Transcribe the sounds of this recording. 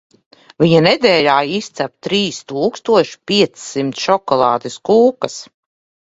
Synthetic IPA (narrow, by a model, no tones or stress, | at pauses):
vʲiɲaned̪ɛːlʲaːist̪sæp̚t̪ɾiːst̪uːkst̪uɔʃi̥pʲiɛt̪ssimt̪ʃɔkɔlˠɑ̰ːd̪iskuːkas